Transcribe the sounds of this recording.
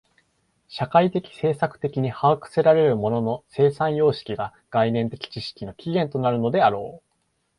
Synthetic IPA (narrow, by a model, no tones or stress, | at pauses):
ɕakait̪e̞kʲi̥se̞ːsakɯ̟̥t̪e̞kʲiɲ̟ihaːkɯ̟̥se̞ɾaɾe̞ɾɯ̟mo̞no̞no̞se̞ːsãɰ̃jo̞ːɕi̥kʲiɡa | ɡ̥ainẽ̞nt̪e̞kʲi̥t͡ɕiɕi̥kʲino̞kʲiɡẽ̞nt̪o̞naɾɯ̟no̞d̪e̞aɾo̞ː